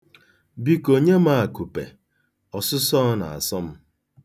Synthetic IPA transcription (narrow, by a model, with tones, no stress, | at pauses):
bi˦ko˨ɲe˦ma˦a˨ku˨pḛ˨ | ɔ˨sʊ˦sɔ˦na̰˨a̰˨sɔ˦m̩˦